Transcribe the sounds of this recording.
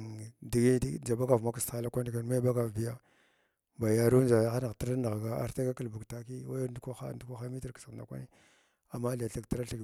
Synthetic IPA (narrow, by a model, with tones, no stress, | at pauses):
di˨ɡi˦dd͡ʒa˨ba˦ɡa˨vma˦ka˨sa˦la˦kʷa˦ni˨ka˨n˦ma˦i˦ba˦ɡa˨vbi˦ja˦ | ba˨ja˦ɾu˦nd͡ʒa˨ja˦xa˦na˨ti˦ɾa˦na˨ɣɡa˦a̰˨ɾta˦ɡa˦ka˨lbu˨ɡta˨ki˦wa˦ja˦du˦kʷa˦xa̰˦ndu˦kʷa˦xa˦mi˦ti˨ɾksə˨nda˨kʷa̰˦ni˦ | a˨mːa˦li˨ja˨ɬi˨ɡta˦ɾa˦ɬi˨ɡ